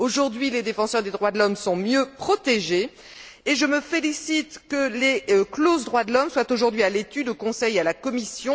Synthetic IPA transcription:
oʒuʁd̪ɥiled̪efɑ̃sœʁd̪ed̪ʁwad̪əlɔmsɔ̃mjøpχɔt̪eʒe | eʒəməfelisit̪kəleklozd̪ʁwad̪əlɔmswat̪oʒuʁd̪ɥialet̪yd̪okɔ̃sɛjalakɔmisjɔ̃

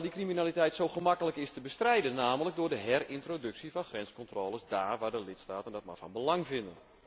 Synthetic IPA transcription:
dikriminalitɛjtsowɣəmakələkɪstəbəstrɛjdənːaːmələk̚dʊːrdəɦɛrɪntrodɵksivɑnxrɛnskɔntroːləsdaːrʋaːdəlɪtstaːtəndɔt̚ma̰rvɑ̰nbəlɑŋvɪndən

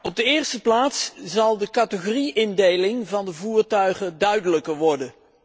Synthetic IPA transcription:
ɔb̚dəɪːɹstəplaːtszɑlˠdəkɑtəχoriʔɪndejlɪŋvɑndəvuːɹtœɥχədœɥdələkəɹʋɔɹdən

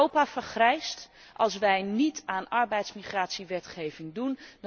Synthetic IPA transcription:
owpaːfəɹχrɛjst | ʔɑlˠs̬ʋɛjnitaːnɑɹbɛjtsmiχraːtsiʋɛtχejvɪŋdund

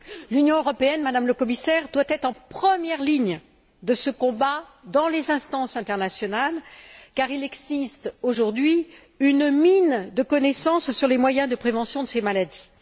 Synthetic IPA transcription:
lynjɔ̃øʁɔpeɛnmad̪amləkɔmisɛʁd̪wat̪ɛt̪χɑ̃pχəmjɛʁliɲ | d̪əsəkɔ̃bad̪ɑ̃lezɛ̃st̪ɑ̃sɛ̃t̪ɛʁnasjɔnalkaʁilɛɡzist̪oʒuʁd̪ɥi | ynmind̪əkɔnɛsɑ̃sːyʁlemwajɛ̃d̪əpχevɑ̃sjɔ̃d̪əsemalad̪i

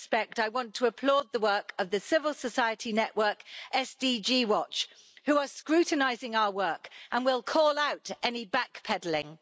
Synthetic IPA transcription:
spɛk̚taɪwɒ̃ntʰəəpʰl̥ɔːd̪̚ðəwɜˑ˞kəvðɨsɪvəlˠsəsaɪətʰinɛʔwɜ˞kʔɛsd̥id͡ʒiwɒt͡ʃ | huəskɹʉˑʔn̩aɪzɪ̃ŋaʊəwɜˑ˞kə̃nwɪlˠkʰɔlaʊtɛnibakpʰɛdl̩ɪ̃ŋ

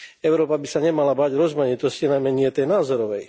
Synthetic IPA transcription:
ɛʊɾɔːpabisaɲɛmalabaːɟɾɔzmaɲit̪ɔscinajmɛɲɪɛt̪ɛjnaːzɔɾɔʋɛj

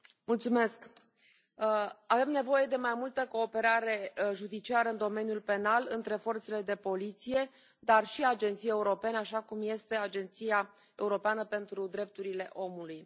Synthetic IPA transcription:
mult̪sume̞sk | ave̞mne̞vo̞je̞d̪e̞majmult̪əko̞ːpe̞ɾaɾe̞ʒud̪it͡ʃiaɾəɨnd̪o̞me̞njulpe̞nalɨnt̪ɾe̞fo̞rt̪se̞le̞d̪e̞po̞lit̪sije̞ | d̪arʃiad͡ʒe̞nt̪sijeuɾo̞pe̞naʃakumje̞st̪e̞ad͡ʒe̞nt̪sija | e̞uɾo̞peanəpe̞nt̪ɾud̪ɾe̞p̚t̪uɾile̞ʔo̞muluj

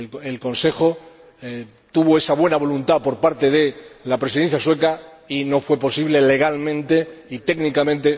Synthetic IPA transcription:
elkõ̞nse̞xo | t̪uβ̞oe̞saβ̞we̞naβ̞o̞lunt̪apo̞ɾpaɾt̪e̞ðe̞lapɾesiðe̞n̟θjaswe̞kaino̞fwe̞po̞siβ̞le̞le̞ɣ̞almẽ̞nt̪eit̪e̞ɡnikamẽnt̪e̞

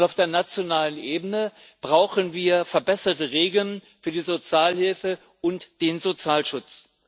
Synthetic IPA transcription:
laʊfd̥eːɐnat͡sjonaːlənʔeːbənə | b̥ʁaʊxənviːɐfɛɐbɛsɐtəʁeːɡl̩ənfyːɐdiːzot͡sjaːlhɪlfə | ʔʊntd̥eːnzot͡sjaːlʃʊt͡s

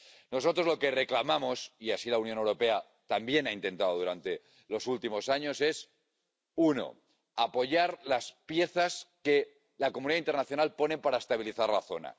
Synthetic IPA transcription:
no̞s̬o̞t̪ɾo̞zlo̞ke̞re̞klamamo̞siasilaunjo̞ne̞wɾo̞pe̞a | t̪ambje̞naint̪e̞nt̪aðoð̞uɾant̪e̞ | lo̞sult̪imo̞saɲo̞se̞s | uno̞̰ | apo̞ʝaɾlaspje̞θaske̞ | lakomũniðaint̪eɾnaθjo̞nalpo̞ne̞mpaɾaest̪aβ̞iliθaɾlaθo̞̰na̰

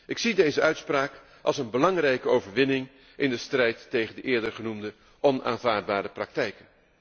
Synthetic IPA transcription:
ʔɪksidejzəʔœɥtspraːk | ʔɑ̰lˠsənbəlɑŋrɛjkəowvəɹʋɪnɪŋ | ʔɪndəstrɛjtːejχəndəʔɪːɹdəɹχənumdə | ɔna̰ːnvaːɹd̚baːdəprɑk̚tɛjkən

